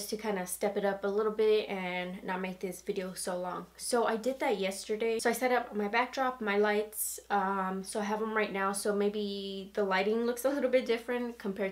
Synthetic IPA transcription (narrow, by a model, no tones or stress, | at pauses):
stʰɨkʰãɪ̃ndɨstɛpɨɾʌpəlɪɾl̩ˠbɪɾɨ̃nːət̚meɪk̚ðɪsvɪɾioʊsoʊlɔ̃ŋsoʊʔaɪdɨd̪̚ðɨt̚jɛstə˞deɪsoʊaɪsɛɾʌpmaɪbæk̚dɹɑpmaɪlaɪtsʌ̃msoʊaɪɦɨvə̃mɹaɪtⁿnaʊsoʊmeɪbiðəlaɪɾɪ̃ŋlʊksəlɪɾl̩ˠbɪt̚d̥ɪfɹɨ̃nkʰə̃m̩pʰɛɹ